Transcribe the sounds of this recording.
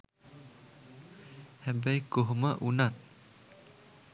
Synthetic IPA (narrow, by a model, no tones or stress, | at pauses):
hɛbəjkoɦoməʔunat̪̚